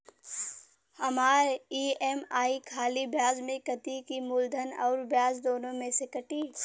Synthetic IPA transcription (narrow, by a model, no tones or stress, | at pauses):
hɐmaːɾeiːeːmaːikʰaːlibʱjaːzmẽkət̪ikimʊld̪ʱənɔːɾbʱjaːzd̪oːnõmẽsekɐʈiː